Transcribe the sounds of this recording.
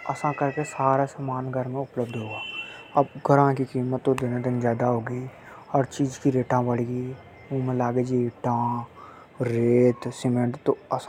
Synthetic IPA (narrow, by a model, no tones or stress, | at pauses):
ɐ̰sãkəɾkesaːɾasəmaːnɡʱəɾmẽʊpləb̚d̪ɦoːɡaː | ɐbɡʱəɾãkikiːmət̪ːod̪ɪnãd̪ɪnd͡ʒjaːd̪aɦoːɡi | ɔːɾt͡ʃiːd͡ʒkiɾeːʈãbəɽiɡi | õːmẽlaːɡed͡ʒiʈã | ɾeːt̪sɪmẽɳʈt̪oəsã